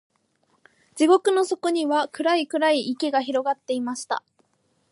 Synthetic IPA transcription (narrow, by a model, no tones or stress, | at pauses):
d͡ʑiɡo̞kɯ̟no̞so̞ko̞ɲ̟iβakɯ̟ɾaikɯ̟ɾaiʔːke̞ɡaçiɾo̞ɡat̪ːe̞imaɕi̥t̪a̰